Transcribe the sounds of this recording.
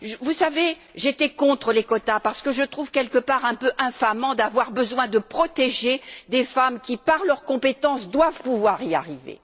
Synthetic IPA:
ʒvusave | ʒet̪ɛkɔ̃t̪χəlekɔt̪apaʁsə̥kəʒət̪χuvkʲɛlkəpaʁɛ̃pøʔɛ̃famɑ̃d̪avwaʁbəzwɛ̃d̪əpχɔt̪eʒed̪efamkʲipaʁlœʁkɔ̃pet̪ɑ̃sd̪wavpuvwaʁia̰ʁivḛ

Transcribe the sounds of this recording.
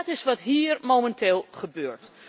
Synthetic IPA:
tɪsʋɑtɦiːɹmowmɛnteːlˠχəbøːɹt

